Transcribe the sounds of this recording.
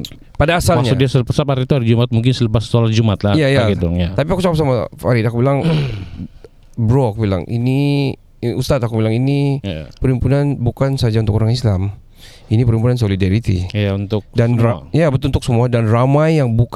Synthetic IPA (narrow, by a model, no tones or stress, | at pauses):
padaːsalmakɲasukdiasəpəsaphaɾit̪uhaɾid͡ʒumat̪̚muŋkɪnsələpasə̥t̪olad͡ʒumat̪laijajaɡit̪ujat̪apiakut͡ʃakap̚samafa̰ɾid̪akubilaŋ | bɾoakubila̰ŋḭni | ust̪at̪akubilaŋinipəɾimpunanbukansad͡ʒaunt̪ʊkoɾaŋislam | inipəɾimpunans̬olidaɾit̪ḭjaunt̪ʊk̚danajabət̪lunt̪ʊksəmuadanramajaŋbuk